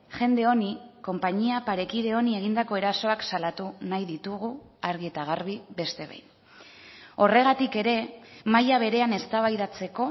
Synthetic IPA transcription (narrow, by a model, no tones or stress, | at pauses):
ʝe̞nd̪e̞o̞niko̞mpaɲiapaɾe̞kiðe̞o̞nie̞ɣ̞ind̪ako̞e̞ɾaso̞aksalat̪unajðit̪uɣ̞u | aɾɣie̞t̪aɣaɾβ̞iβe̞st̪e̞βa̰jn | o̞re̞ɣ̞at̪ike̞ɾe̞majaβ̞e̞ɾe̞ane̞st̪aβajðat͡se̞ko̞